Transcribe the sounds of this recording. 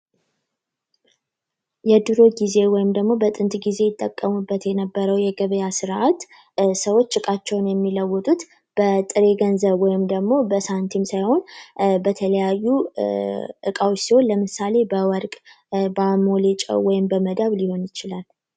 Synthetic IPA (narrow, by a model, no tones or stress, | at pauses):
jɛd̪ɨɾo̞ɡize̞wɔjɪmd̪əɡmo̞bət̪ʼɨnt̪ʼɡize̞jɪt̪ʼːəkʼːəmubːət̪jɛnəbːəɾəwjɛɡəβəjasɨɾʔat̪ | səwo̞t͡ʃːɨkʼat͡ʃːɛwnjɛmːiləwːɔt̪ʼut̪ | b̥ət̪ʼɨɾe̞ɡənzəβwɔjɪmd̪əɡmo̞bəsant̪ʰimsajho̞nbət̪ʰələjajːu | ʔɨkʼawsiho̞nləmɨsale̞bəwɔɾkʼ | bamolet͡ʃʼə̰wwɔjɪmbəməd̪aβliho̞njɪt͡ʃɪlal